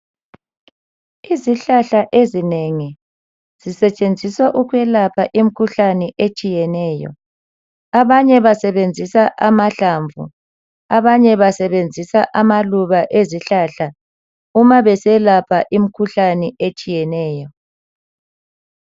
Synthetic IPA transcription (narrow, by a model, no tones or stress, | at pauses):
iziɬaɬaʔezineŋi | z̥isɛt͡ʃʼend͡zʱiswaʔuɣwɛlapʰaʔim̩kʰuɬanɛʔet͡ʃʼijɛnɛːjɔ̰ | aβaɲɛβasɛβend͡zʱisaʔamaɬaɱvʱṵ | aβaɲɛβasɛβend͡zʱisaʔamaluβaʔeziɬaɬa | umaβɛsɛlapʰaʔim̩kʰuɬanɛʔet͡ʃʼijɛnɛːjɔ